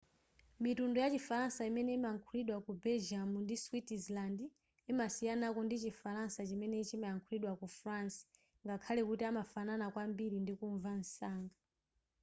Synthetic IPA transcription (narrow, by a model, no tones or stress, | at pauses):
mitundɔjat͡ʃifaɾansaimɛnɛimaŋkʰuliɗwakubɛlʒamundiswitizlandi | imasijanakɔndit͡ʃifaɾansat͡ʃimɛnɛt͡ʃimaaŋkʰuliɗwakufransḁ | ŋɡakʰalɛkutiamafananakwambiɾindikuɱvan̩saːŋɡa